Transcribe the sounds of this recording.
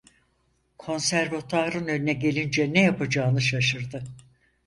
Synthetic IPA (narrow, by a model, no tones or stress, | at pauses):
kʰo̞nsæɾvat̪ʰaːɾɯnønynɛɟe̞lʲind͡ʒɛnɛjapad͡ʒaːnɯʃaʃɯɾd̪ɯ